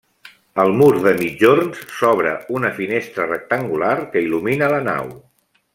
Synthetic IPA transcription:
əlˠmuɾðəmid͡ʒornssɔβ̞ɾəunəfinest̪ɾərək̚t̪əŋɡularkəiluminələna̰w

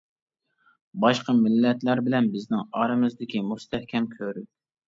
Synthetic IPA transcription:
bɑʃqɑmɪlːɛt̪læɾbɪlɛnbɪznɪŋɑːɾɨmɨzd̪ɪkʲimust̪ʰɛhkʲʰɛmkʲʰøɾy

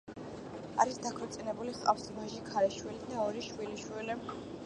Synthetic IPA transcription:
a̰ɾisd̪akʰwɛɾt̪sʼinɛbuliχqʼa̰fsvaʒikʰaɾɛʃwilid̪aɔɾiʃwiliʃwili

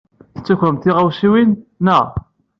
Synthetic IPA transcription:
θət͡sːuçɾəmt̪iʁawsiwinːə

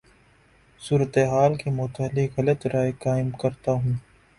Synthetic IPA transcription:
suːɾət̪eɦaːlkemʊt̪əlɪkɦɐlət̪ɾaːekaːɪmkɐɾt̪aɦũː

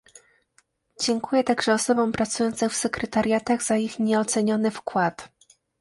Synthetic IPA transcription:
d͡ʑɛŋkujɛt̪aɡʐɛɔsɔbɔ̃w̃pɾat̪sujɔnt̪sɛfsɛkɾɛt̪aɾʲjat̪aɣz̥aixɲɛɔt̪sɛɲɔnɘfkwat̪

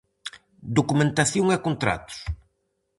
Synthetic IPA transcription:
d̪okumẽnt̪aθjoŋɛkont̪ɾa̰t̪ʊ̥s

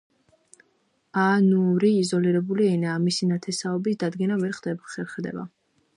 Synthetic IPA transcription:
anuɾiːzɔliɾɛbuliɛnaːmisinat̪ʰɛsaɔbisd̪ad̪ɡɛnavɛɾχd̪ɛbaχɛɾχɛd̪ɛ̰ba̰

